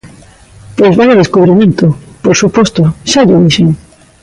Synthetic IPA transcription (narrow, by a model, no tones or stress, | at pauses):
pwezβaleðeskuβ̞ɾimẽnt̪opoɾsupost̪oʃaʎoβiʃeŋ